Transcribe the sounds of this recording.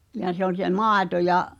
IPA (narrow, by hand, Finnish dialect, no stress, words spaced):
j̆ɑ se olʲ se mɑːĕto jɑʔ